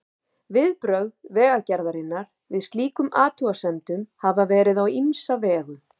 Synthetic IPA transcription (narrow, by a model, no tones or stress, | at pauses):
vɪðpɾœɣðvɛːɣacɛɾðaɾɪnːaɾ̥ | vɪðst̪liːkʏmaːt̪uasɛmt̪ʏmhavavɛːɾɪðawimsavɛːɣʏ